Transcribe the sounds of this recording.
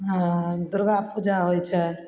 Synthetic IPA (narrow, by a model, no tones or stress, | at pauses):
ɦãd̪ʊɾɡapud͡ʒaɦojt͡ʃʰə